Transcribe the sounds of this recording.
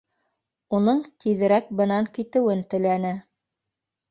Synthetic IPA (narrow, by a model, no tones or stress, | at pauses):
unɤɴt̪iðɘ̆ɾæk̚bɤ̆nɑŋkit̪ɘ̆wɘnt̪ɘ̆lænɘ